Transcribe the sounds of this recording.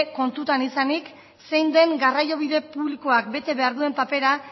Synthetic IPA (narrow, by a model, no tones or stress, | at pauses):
ko̞nt̪ut̪anisanik | se̞jnd̪e̞ŋɡarajo̞β̞iðe̞puβlikoak̚be̞t̪e̞βeaɾðue̞mpape̞ɾa